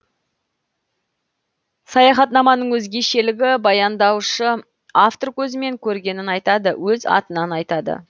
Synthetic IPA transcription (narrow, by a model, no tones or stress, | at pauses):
sɑjɑχɑt̪nɑmɑnəɴwɵzɡʲe̞ʃe̞lɪɡʲɪbɑjɑnd̪ɑwʃə | aft̪o̞rkʲʰɵzɪme̞ŋkʲʰɵɾɡʲe̞nɪnɑjt̪ɑd̪əwɵzɑ̰t̪ənɑnɑjt̪ɑd̪ə̰